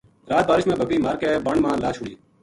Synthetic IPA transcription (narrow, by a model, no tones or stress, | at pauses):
ɾaːt̪̚baːɾɪʃmẽːbʱəkːiːmaːɾkeːbəɳmãːlaːt͡ʃʰʊɽiː